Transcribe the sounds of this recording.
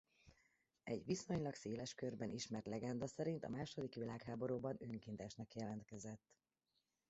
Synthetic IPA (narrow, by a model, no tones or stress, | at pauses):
ɛɟʋiso̞ɲlɒkseːlɛʃkørbɛniʃmɛrt̪lɛɡɛnd̪ɒsɛɾint̪ɒ̰maːʃo̞d̪ikʋilaːkɦaːbo̞ɾoːbɒnøŋkint̪aːʃnɒkjɛlɛnt̪̚kɛzɛt̪ː